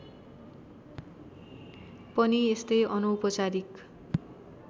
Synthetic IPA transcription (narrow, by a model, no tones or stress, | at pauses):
pʌniest̪ʌjʔʌnʌwpʌt͡saɾik